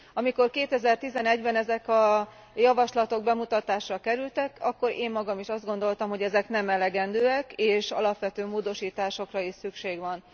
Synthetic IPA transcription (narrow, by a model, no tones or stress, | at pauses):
ɒmiko̞rkeːt̪ɛzɛrt̪izɛnɛɟbɛnɛzɛkɒ | jɒvɒʃlɒt̪o̞ɡ̚bɛmut̪ɒt̪aːʃrɒkɛɾylt̪ɛkɒkːo̞ɾeːmːɒɡɒmiʃɒzd̪ɡo̞nd̪o̞lt̪ɒmɦo̞ɟɛzɛknɛmɛlɛɡɛnd̪øːɛkeːʃɒ̰lɒpʋɛt̪øːmoːd̪o̞ʃiːt̪aːʃo̞krɒiʃsykʃeːɡʋɒn